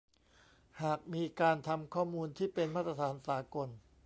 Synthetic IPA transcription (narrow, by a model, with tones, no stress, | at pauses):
haː˨˩k̚miː˧kaː˧nt̪ʰa˧mkʰɔː˥˩muː˧nt̪ʰiː˥˩pe˧nmaː˥˩t̪ɾa˧t̪ʰaː˩˦nsaː˩˦ko˧n